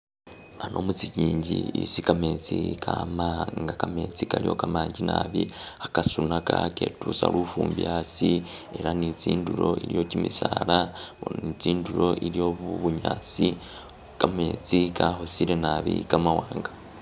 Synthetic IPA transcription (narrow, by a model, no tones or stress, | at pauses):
ano̞mut͡siɟiːɲɟiisikame̞ːt͡sikʰamaŋɡakame̞ːt͡sikaɾijo̞kamaːɲɟinaβiakasunakakeːtusalufuːmbiasie̞ɾanit͡siːnduɾo̞iɾijo̞cimisaɾaonnit͡siːnduɾo̞ʔiɾijo̞βuβuɲaːt͡si | kame̞ːt͡sikaɦosiɾenaβikamawaːŋɡa